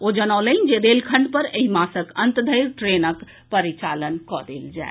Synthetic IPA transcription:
od͡ʒənələnd͡ʒed̪elkʰəɳɖpəɾeɦimasəkənt̪d̪ʱəjɾʈɾenək | pəɾit͡ʃalənkɔd̪eld͡ʒa̰ɪ

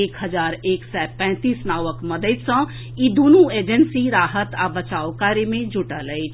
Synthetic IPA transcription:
eːkhəzaːɾeːksɛpɛ̃ːt̪iːsnaːwəkmɐd̪əɪt̪sə̃ | id̪oːnueːd͡ʒənsiɾaːɦət̪abət͡ʃaːokaːɾjemẽd͡ʒʊʈələi

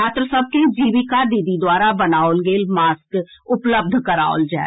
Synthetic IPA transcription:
aːt̪ɾəsəːb̚ked͡ʒiːʋiːkaːɾd̪id̪id̪waːɾabənaːolɡeːlmaːskʊpləb̚d̪ʱkəɾa̰ːo̰ld͡ʒɛ̰ː

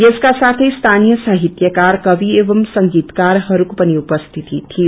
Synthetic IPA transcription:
jeskasaːt̪ʰest̪ʰaːnijəsaːɦɪt̪jəkaːɾkɐʋieːʋəmsɐ̃ŋɡiːt̪kaːɾɦɐɾukpəniʊpəst̪ʰɪt̪it̪ʰːi

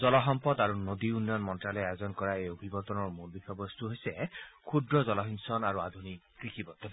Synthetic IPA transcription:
zɔlɔɦɔmpɔd̪aɹunod̪iunːjɔnmɔntɹalɛajozɔnkɔɹaejobʱibɔt̪ɔnɔɹmulbixʰɔbɔst̪uɦojsɛkʰudɹɔzɔlɔɦinsɔnaɹuad̪ʱunikːɹikibɔt̪ːɔ

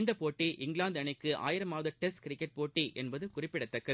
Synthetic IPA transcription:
nd̪ɐpoːʈːiʔɪŋɡlaːnd̪ɐɳɐɪkːɯʔa̰ːjɪɾɐmaːʋɐðɐʈɛskɾɪkːɛʈ̚poːʈːiʔɛnbɐðɯkʊrɪpːɪɽɐt̪ːɐkːɐ

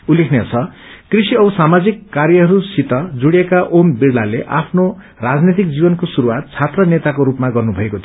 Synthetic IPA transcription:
ulekʰnjat͡sʰʌ | krisiʌbʌsamad͡zikːarjʌɦʌɾusit̪ʌd͡zuɽijekaʔombiɽlaleʔa̰pʰno | rad͡znit̪̬ik̚d͡zibʌnkosuɾuwat̪̚t͡sʰat̪rʌnet̪akoɾupmaɡʌrnubʱʌekot̪ʰ

